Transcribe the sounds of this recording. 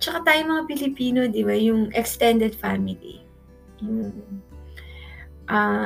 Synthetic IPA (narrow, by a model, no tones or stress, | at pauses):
t͡ʃɐkat̪aːjomɐŋapɪlɪpiːno̞d̪ɪbajʊŋɛkst̪ɛnd̪ɛd̪famɪlḭ | mm̩ | ʔa